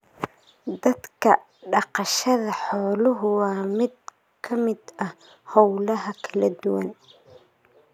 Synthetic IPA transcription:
d̪ɐd̪kʰɐ | ɖɑqɑʃɐðɐħɔːlʊɦʊwɑːmɪd̪̚ | kʰɐmɪd̪ɐh | hɔwlɐɦɐkʰɐlɐd̪ʊwɐ̰n

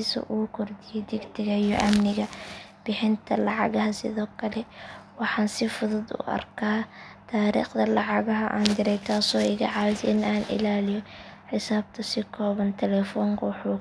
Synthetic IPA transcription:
sɔ̰ʔuːkʰʊrd̪ɪjɔd̪ɪɡt̪ʰɪɣɐijɔ̰ʔɐmnɪɣɐb̥ɪħɪnt̪ʰɐlɑʕɑ̰ɣɐɦɐsɪ̰ðɔːkʰɐlɛwɑħɑːnsɪfʊðʊd̪ʊ̰ʔɐ̰rkʰaːt̪ʰaːɾḭːχd̪ɐlɑʕɑɣɐɦɐʔa̰ːnd̪ɪɾɛjk̪ʰaːsɔːɪɣɐʕɑβd̪ɪnaːnʔɪ̰laːlɪjɔ | ħɪsaːb̚t̪ʰɐsɪkʰɔːβɐnt̪ʰɛlɛːfɔːŋkʰɐwʊħuː

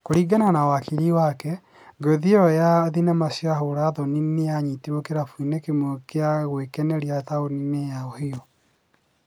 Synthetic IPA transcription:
koɾiɡananawakiɾiwakɛ | ɡoðiɔjaðinamasjaɦoɾaðɔninejaɲitiɾokeɾafuinekemwokeaɣwekɛnɛɾiataoninejaɔheɔ

